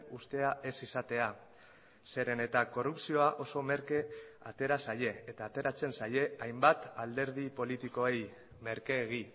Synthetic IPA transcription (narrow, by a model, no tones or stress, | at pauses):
ust̪e̞aʔe̞sisat̪e̞a | se̞ɾe̞ne̞t̪ako̞rupsio̞aʔo̞so̞me̞ɾke̞a̰t̪e̞ɾasaje̞ːt̪aːt̪e̞ɾat͡se̞nsaje̞ajmbat̪ald̪e̞ɾð̞ipo̞lit̪iko̞e̞j | me̞ɾkeːɣ̞i